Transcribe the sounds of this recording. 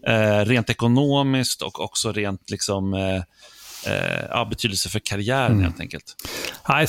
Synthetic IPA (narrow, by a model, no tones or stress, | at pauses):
ʔɛɾeːnt̪ɛkʊnoːmɪskt̪ɔ̰kʰɔ̰ksɔɾeːnt̪lɪksɔm | ɑ̰ːbɛt̪ʰyːd̪əlsəfœɾkʰaɾɪæːɾənhḛːlt̪ɛ̰ŋkə̰lt̪a